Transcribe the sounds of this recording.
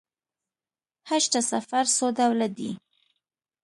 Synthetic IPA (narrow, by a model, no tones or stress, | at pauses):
haʃtasafaɾsod̪awlad̪ḭ